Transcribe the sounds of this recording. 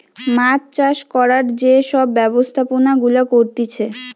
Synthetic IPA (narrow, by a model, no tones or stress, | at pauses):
mat͡ɕt͡ɕaʃkɔɾaɾd͡ʑeʃɔbːɛbost̪ʰaponaɡulakoɾt̪it͡ɕʰe